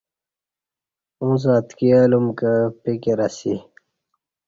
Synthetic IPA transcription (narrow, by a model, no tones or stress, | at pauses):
ũzaːt̪kialumkəpikeɾasi